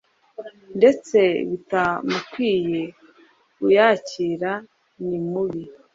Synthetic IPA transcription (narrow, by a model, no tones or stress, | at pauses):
nde̞t͡se̞βutamukwiːje̞ | ujaciɾa | nimuβi